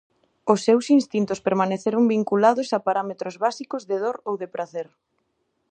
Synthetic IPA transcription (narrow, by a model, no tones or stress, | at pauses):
ʊsːewsinst̪int̪ʊspeɾmaneθeɾoŋbiŋkulaðʊsapaɾamet̪ɾozβasikozðeðoɾowðepɾaθeɾ